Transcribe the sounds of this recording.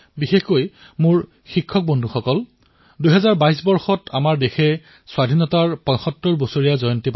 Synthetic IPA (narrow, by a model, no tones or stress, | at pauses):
bixexkoj | mʊɹ | xikʰːɔk̚bondʱuxɔkɔl | dujɦɛzaɹbajs̬bɔɹxɔtʰa̰maɹdexɛ | swadʱinɔtaɹpɔjxɔtːɔɹbosoɹijazɔjɔntipa